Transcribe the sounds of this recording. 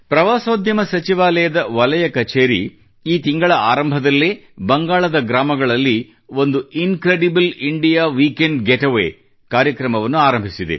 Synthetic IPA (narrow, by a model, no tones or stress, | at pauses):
pɾɐʋaːsoːd̪ʱjɐmɐsɐt͡ʃiʋaːlɐjɐd̪ɐʋɐlɐjɐkɐt͡ʃeːɾḭ | iːt̪iŋɡɐɭɐa̰ːɾɐmbʱɐd̪ɐlːeːbɐŋɡaːɭɐd̪ɐɡɾaːmɐɡɐɭɐlːi | o̞nd̪uiŋkɾeɖibliɳɖijaːʋiːkeɳɖɡeʈɐʋḛː | kaːɾjɐkɾɐmɐʋɐnːuaːɾɐmbʱisid̪ḛ